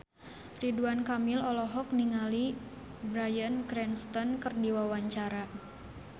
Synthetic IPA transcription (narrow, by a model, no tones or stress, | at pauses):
riduankamilɔlɔɦɔk̚niŋali | bɾajənkɾɛnst̪ɔnkɨrdiwawaɲt͡ʃaɾa